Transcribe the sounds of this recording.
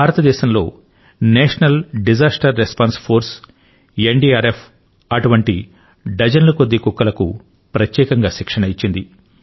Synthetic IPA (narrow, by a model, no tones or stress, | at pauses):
bʱaːɾɐt̪ɐd̪ɛːʃɐmlo̞̰ː | neːʂɐnɐlɖid͡ʒaːsʈɐɾːespaːnspʰoːɾs | eɳɖiːaːɾepʰ | ɐʈuʋɐɳʈi | ɖɐd͡ʒɐnlɐkod̪ːikukːɐlɐkṵ | pɾɐt̪jɛːkɐŋɡaːʃikʂɐɳɐit͡ʃːind̪i